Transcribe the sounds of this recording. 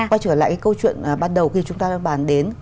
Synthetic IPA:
ka˧˦t͡ɕəː˧˩əla̰ː˧˨kaː˨˦kə˧wt͡ɕwḭ˧˨ənː˨˩ɓaː˧nɗə˨˩wxi˧˩t͡ɕʊ˨˦ŋ͡mt̪aː˧ɓaː˧˩nɗe˨˦n

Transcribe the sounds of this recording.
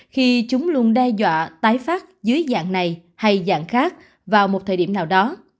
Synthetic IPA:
xi˧t͡ɕʊ˨˦ŋ͡mlu˧ənɗɛ˧zwa̰ː˧˨t̪aː˨˦jfaː˦˥t̚zɨː˨˦əjza̰ː˧˨ŋna˨˩jha˧jza̰ː˧˨ŋxaː˦˥k̚ | vaː˨˩wmo˨˩t̪̚ʰəː˧˩ɗi˧˩mnaː˨˩wɗɔ˨˦

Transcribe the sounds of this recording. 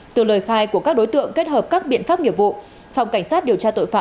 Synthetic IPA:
t̪ɨ˧˩ləː˨˩jxaː˧jku˧˩əkaː˦˥k̚ɗo˨˦jt̪ɨ̰˧˨əŋke˦˥t̚həː˨˩p̚kaː˦˥k̚ɓḭ˧˨ənfaː˦˥p̚ŋi˧˩əp̚vṵ˧˨ | fa˧wŋ͡mka˧˩ŋ̟saː˦˥t̚ɗi˨˩əwt͡ɕaː˧t̪o̰˧˨jfaː˧˨

